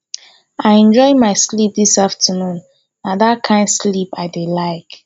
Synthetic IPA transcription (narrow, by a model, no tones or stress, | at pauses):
aɪɛ̃nd͡ʒɔɪmaɪslip̚disaftʰənũn | nadat̚kʰãɪ̃ndslipaɪdelaɪk